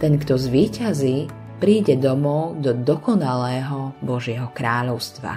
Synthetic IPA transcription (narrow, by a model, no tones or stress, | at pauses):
t̪ɛnkt̪ɔzʋiːcaziː | pɾiːɟɛd̪ɔmɔʊd̪ɔd̪ɔkɔnalɛːɦɔbɔʒɪɛɦɔkɾaːʎɔʊst̪ʋa̰